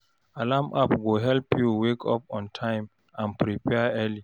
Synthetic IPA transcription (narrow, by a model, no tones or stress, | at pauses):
alamʔapɡoɦɛlpjuwekʰɔpɔ̃ntʰãɪ̃m | ãnpɾipɛɛli